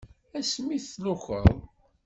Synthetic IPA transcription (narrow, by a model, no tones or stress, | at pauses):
æsmiθːlʊxə̰ðˤ